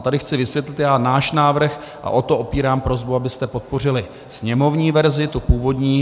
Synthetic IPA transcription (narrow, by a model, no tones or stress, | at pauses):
t̪adɪxt͡sɪvɪsvjɛt̪lɪt̪jaːnaːʃnaːvr̩x | ʔa̰ʔo̞t̪oʔo̞piːɾaːmpɾo̞zbuabɪst̪ɛpo̞t̪̚po̞r̝ɪlɪ | sɲɛmo̞vɲiːvɛɾzɪt̪opuːvo̞d̪ɲiː